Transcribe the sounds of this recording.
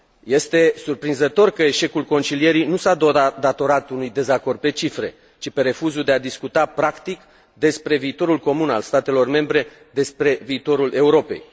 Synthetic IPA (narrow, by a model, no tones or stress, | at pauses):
je̞st̪e̞surpɾinzət̪o̞rkəe̞ʃe̞kulko̞nt͡ʃilije̞ɾijnusad̪d̪at̪o̞ɾat̪unujd̪e̞zako̞rd̪̚pe̞t͡ʃifɾe̞ | t͡ʃipe̞ɾe̞fuzud̪e̞ad̪iskut̪apɾakt̪ik | d̪e̞spɾe̞viːt̪o̞ɾulko̞muna̰lst̪at̪e̞lo̞rme̞mbɾe̞ | d̪e̞spɾe̞viːt̪o̞ɾulʔe̞uɾo̞pe̞̰j